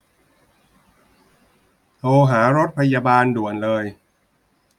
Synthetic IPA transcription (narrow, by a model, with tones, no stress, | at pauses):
t̪ʰoː˧ɦaː˩˦ɾo˦˥t̪̚pʰa˧jaː˧baː˧ndu˨˩ənlɤː˧j